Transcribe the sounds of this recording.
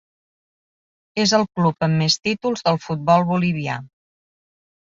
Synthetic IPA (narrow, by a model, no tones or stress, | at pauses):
ezəlˠklupəmːest̪it̪ulˠzðəlˠfut̪̚bɔlˠβuliβ̞ia̰